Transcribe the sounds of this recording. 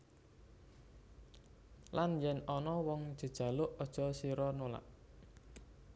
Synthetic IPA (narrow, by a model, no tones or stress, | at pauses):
lanjɛnɔnɔwɔŋ̥ʒ̥ə̤d̥ʒ̥a̤lʊʔɔd̥ʒ̥ɔ̤siɾɔnola̰ʔ